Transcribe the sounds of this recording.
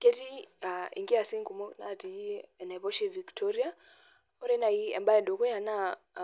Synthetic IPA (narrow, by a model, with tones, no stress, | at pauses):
kɛ˦ti˦a˨ḭ˨ŋɡi˦a˨si˦ŋku˨mɔ˦na˨ti˨˦ɛ˨na˨βɔ˦ʃɛ˨vi˨ktʰɔɾi˦a˦ | ɔ˦ɾɛ˦na˨i˦ɛ̰˨mba˦ɛ˨ndɔ˨kɔ˦ja˨na˦